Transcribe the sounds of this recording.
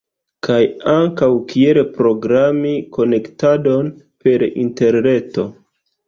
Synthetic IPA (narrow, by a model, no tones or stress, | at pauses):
kʰajaŋkawkielpɾo̞ɡɾamiko̞ne̞ktado̞n | pe̞ɾḭnte̞ɾne̞to̞